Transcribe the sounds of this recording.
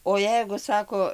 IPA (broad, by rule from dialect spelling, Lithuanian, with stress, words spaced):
oː ˈjɛɪɡʊ ˈsɑːkoː